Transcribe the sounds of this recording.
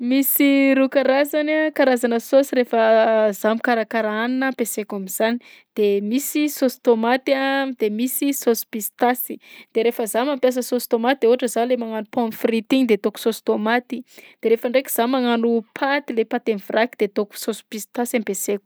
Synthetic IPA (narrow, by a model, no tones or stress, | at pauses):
misiɾukaɾazanakaɾazanəsosiɾefəzamikaɾakaɾaaninəpesekamiz̥ani | d̪̥emisisost̪omat̪ad̪emisisospist̪asi̥d̪̥eɾefəzamampjas̬əsost̪omat̪id̪euɦaʈ͡ʂəzalemaŋanupɔ̃nfrit̪iŋd̪et̪oku̥sost̪omat̪id̪̥eɾefəɳɖ͡ʐekʲiz̥amaŋanupʰat̪ilepat̪emvrakid̪̥et̪oku̥sospist̪asampesekʲu̥